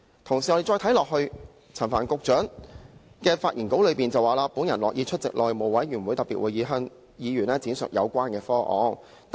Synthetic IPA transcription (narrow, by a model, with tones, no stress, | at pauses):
t̪ʰʊ˨˩ŋsi˨ɔ˧e˨˧t͡ʃɔː˧jt̪ʰjlɔː˨k̚hɵ˧ɥ | t͡sʰɐ˨˩nfaː˨˩nkʊ˧k̚t͡ʃœː˨˥ŋ | kɛː˧faː˧t̚ʔiː˨˩nko˨˥wlɵ˨˧ɥpiː˨˩nt͡sɐ˨waː˨laː˧puː˨˥njɐ˨˩nlɔː˨kjiː˧t͡ʃʰɵ˥t̚t͡sɪ̰˨k̚lʔɔː˨jmo˨wɐ˨˥jɥy˨˩nwuː˨˧jt̪ɐ˨˩piː˨t̚uː˨˧jiː˨˧ɦœː˧˥ŋ | jiː˨˧ɥyː˨˩nɛː˥t͡siː˨˥nsœ̰˨˩k̚jɐ˨˧wkʷaː˥nkɛː˧fɔː˥ʔɔ̰ː˨˥ŋ